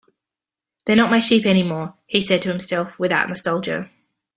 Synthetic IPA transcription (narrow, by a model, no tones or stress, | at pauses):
ðənəʔmaɪʃiˑpɛñɪmɔːhisɛd̚tʰəhɪ̃msɛlˠfwɪða̰ʔnəstʌʊlˠd͡ʒəʊ